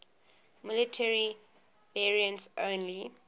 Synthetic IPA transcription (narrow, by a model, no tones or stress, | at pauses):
mɪlɪtʰɛɹi | vɛɹiə̃ntsʔõːnli